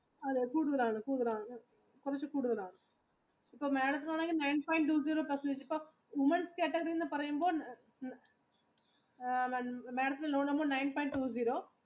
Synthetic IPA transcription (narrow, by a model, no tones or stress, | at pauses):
ɐðekuːɽuðɐlaːɳɨkuːɽuðɐlaːɳ | kʊɾɐt͡ʃːukuːɽuðɐlaːɳɨ | ipːoːmeːɽɐt̪̬ːɯlɐɐnaŋɡinɐɪnpaːjɪɳʈʈuːziːɾoːpɐsɐnd̪ɐt͡ʃːipːoː | ʋʊmɐnskeːʈːɐɡɐɾind̪ɐpɐɾɐjumboː | n | meːɽɐt̪ːɪlɐnoːɳɐmboːnɐɪnpoːɪɳʈʈuːziːɾoː